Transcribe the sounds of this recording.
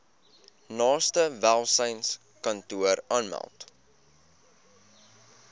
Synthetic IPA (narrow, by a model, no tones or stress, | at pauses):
nɑːstəvælˠsəjns | kɐntuəɾɑːnmæ̰lˠt